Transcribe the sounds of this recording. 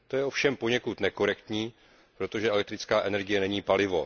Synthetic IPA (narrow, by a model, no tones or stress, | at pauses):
t̪o̞jɛofʃɛmpo̞ɲɛkut̪nɛko̞ɾɛkt̪ɲiː | pɾo̞t̪oʒɛʔɛlɛk̚t̪ɾɪt͡skaːʔɛnɛɾɡɪjɛnɛɲiːpalɪvo̞̰